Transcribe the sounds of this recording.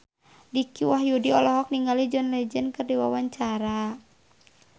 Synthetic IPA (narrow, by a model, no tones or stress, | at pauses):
dikiwaɦjudiɔlɔɦɔk̚niŋɡalid͡ʒɔnlɛd͡ʒɛnkɨrdiwawaɲt͡ʃaɾa